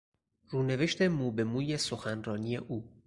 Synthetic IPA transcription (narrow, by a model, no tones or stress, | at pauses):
ruːne̞ve̞ʃt̪ʰe̞muːbe̞muːjesoxænrɒːnije̞ʔuː